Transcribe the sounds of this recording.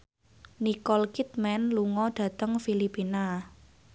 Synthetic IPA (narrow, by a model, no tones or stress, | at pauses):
nikɔlkit̪̚mɛnluŋɔɖ̥ä̤t̪əŋfilipina